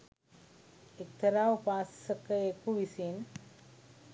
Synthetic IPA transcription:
ek̚t̪ʰəɾaːupaːsəkəekuʋisin

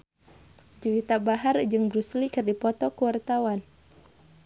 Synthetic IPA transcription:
d͡ʒuwit̪abaɦard͡ʒɨŋbɾuslikɨrdipɔt̪ɔkuwart̪awan

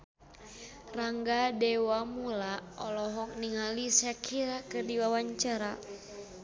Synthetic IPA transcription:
raŋɡadɛwamulaɔlɔɦɔk̚niŋalisakʰiɾakɨrdiwawaɲt͡ʃaɾa

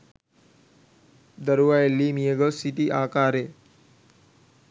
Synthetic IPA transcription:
d̪əɾuʋajelːimijəɡəsiʈiʔaːkaːɾe

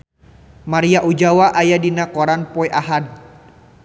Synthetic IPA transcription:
maɾiaʔud͡ʒawaʔajadinakɔɾanpɔɛʔaɦad̚

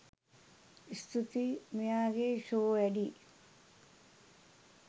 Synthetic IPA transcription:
ist̪ʰit̪imijaːɡeʃoːʋɛɖi

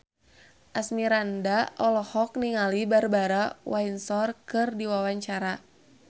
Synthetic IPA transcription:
ʔasmiɾandaʔɔlɔhɔk̚niŋalibarbaɾawainsɔrkɨrdiwawaɲt͡ʃaɾa

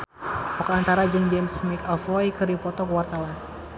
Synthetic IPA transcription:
ʔɔkaant̪aɾad͡ʒəŋd͡ʒɛmsmikalfɔjkɨripɔt̪ɔkəwart̪awan

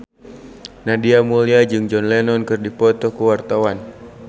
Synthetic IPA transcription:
nadiamuliad͡ʒɨŋd͡ʒɔnlɛnɔnkɨrdipɔt̪ɔkuwart̪awan

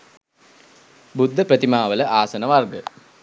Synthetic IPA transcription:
bud̪ʱːəprət̪imaːʋələʔaːsɐnəʋarɡə

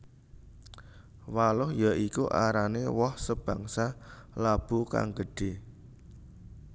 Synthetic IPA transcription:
walʊhjaʔikuʔa̰ɾanewɔhsəb̥ä̤ŋsalab̥uka̰ŋɡəɖ̥e̤

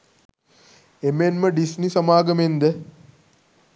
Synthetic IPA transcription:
emenməɖisnisɐmaːɡəmend̪ə

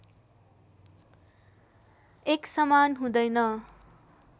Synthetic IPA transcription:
eksʌmanɦũd̪ʌjnʌ

